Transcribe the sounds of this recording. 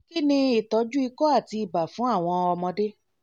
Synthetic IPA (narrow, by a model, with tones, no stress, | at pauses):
ki˦nĩ˧i˨tɔ˨˦d͡ʒu˦i˧kɔ˦a˦˨ti˧i˨ba˨fũ˨˦a˦˨w̃ɔ̃˧ɔ˧mɔ̃˧de˦